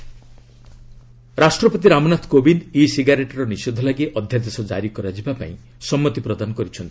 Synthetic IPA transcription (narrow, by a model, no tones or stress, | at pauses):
ɾasʈɾɔpɔt̪̬iɾamɔnat̪ʰkobinisiɡaɾeʈɔɾɔnised̪ʱɔlaɡiʔɔd̪ʱjad̪esɔd͡ʒa̰ɾikɔɾad͡ʒibapa̰ĩ | sɔmːɔt̪ipɾɔd̪anɔkɔɾit͡ʃʰɔnt̪i̥